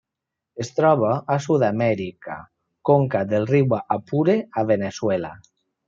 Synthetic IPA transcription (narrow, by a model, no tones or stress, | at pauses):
est̪ɾɔβ̞aasuðamɛɾika̰ | koŋkad̪elriwaʔapuɾeaβeneswela̰